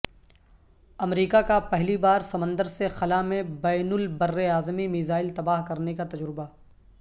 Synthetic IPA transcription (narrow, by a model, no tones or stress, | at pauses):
ɐmɾiːkakapɛɦlibaːɾsɐmə̃nd̪əɾsexɐlamẽbɛːnʊlbɐrːeaːzmimɪzaːɪlt̪ɐbaːɦkɐɾnekat̪ɐd͡ʒɾɪba